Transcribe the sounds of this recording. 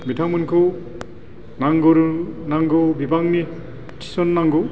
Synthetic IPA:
mitʰaŋmɯnkʰɯ | naŋɡɯɾunaŋɡɯwbibaŋni | tʰi̥sɔnːaŋɡɯ

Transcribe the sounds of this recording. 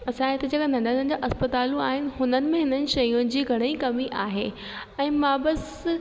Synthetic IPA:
ɐsãɦẽt̪ɐd͡ʑɐkanɐ̃ɳɖʱənənd͡ʑaʔɐspət̪aːlũaːɦɪnɪ̆ɦʊnənɪ̆mẽɦɪnənɪ̆ʃɐjʊ̃nɪ̆d͡ʑiːɡʱɐɽ̃əikɐmiʔaːɦḛː | ɛ̃ːmãːbɐs

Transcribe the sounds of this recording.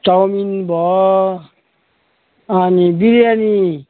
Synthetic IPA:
tawminbɔ | anibiɾiani

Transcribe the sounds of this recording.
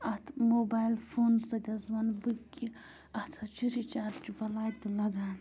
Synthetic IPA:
ɐt̪ʰmoːbaːjlfʰoːnsɐd̪ʲɐzʋɐnbɨkːi | ɐt̪ʰɐt͡ʃiɾit͡ʃaːɾt͡ʃibɐlaːjt̪ɨlɐɡaːn

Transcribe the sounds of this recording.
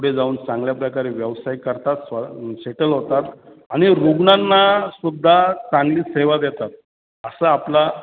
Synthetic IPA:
puɽ̤ed͡zauːnt͡sãŋɡljapɾəkaɾeʋjəʋsajkəɾt̪at̪saɕeʈəlɦot̪at̪ | aɽ̃iɾuɡɳanːasud̪ʱːat͡sãŋɡliːseʋad̪jɛt̪at̪̚ | əsəapla

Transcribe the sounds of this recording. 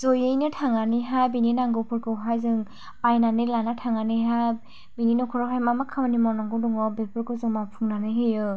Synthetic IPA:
zojɯjnɯtʰaŋaniɦajbininaŋɡɯpʰɯɾkʰɯwɦajzɯŋ | pajnanɯlanatʰaŋanɯjɦaj | bininɔkʰɔɾɔɦajmamakʰamanimawnaŋɡɯdɔŋɔbepʰɯɾkɯzɯŋmapʰuŋnanɯɦɯjɯ

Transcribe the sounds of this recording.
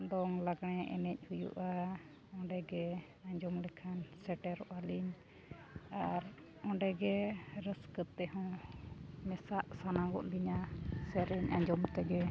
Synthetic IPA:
d̪ɔŋlaɡɽ̃ɛʔɛ̰nɛc̚ˀhujṵʔa | ɔ̃ɖɛɡɛ | aɲd͡ʒɔmlɛkʰansɛʈɛɾɔʔaliɲ | aɾ | ɔ̃ɳɖɛɡɛɾəskət̪ːɛɦɔ̃w | mɛsaʔsanaɡɔ̰ʔliɲasɛɾiɲaɲd͡ʒɔmt̪ɛɡɛ

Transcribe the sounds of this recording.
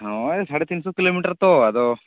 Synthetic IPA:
ɦoesaːɽet̪insukiloːmiːʈɐɾt̪ːoɐd̪o

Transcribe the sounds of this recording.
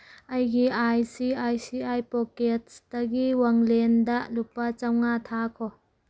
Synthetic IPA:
ɐjɡiʔajsiajsiajpɔket̚staɡiwaŋlendaʔlupːat͡ʃawŋat̪ʰakʰɔ

